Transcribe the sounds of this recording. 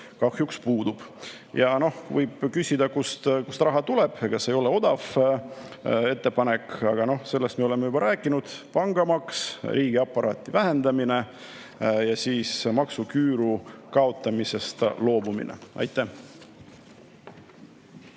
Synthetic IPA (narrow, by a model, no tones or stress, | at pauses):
kɑhjukspuːd̪̥ub̥ | jɑno̞hvɤjb̥kysʲid̪̥ɑkust̪kust̪rɑɦɑt̪ule̞b̥kɑsːe̞jo̞le̞o̞d̪̥ɑf | e̞t̪ːe̞pɑne̞kɑɡ̥ɑno̞hse̞lːest̪meo̞le̞mejubɑɾæːkːˑinud̪̥pɑŋɡɑmɑksrʔiːɡ̥iɑpːˑɑɾɑːt̪ːˑivæɦe̞nd̪̥ɑmine̞ | jɑsiːsmɑksukyːɾukɑo̞t̪ˑːɑmise̞st̪lo̞ːbumḭnʔḛʔɑ̰jt̪ˑːæh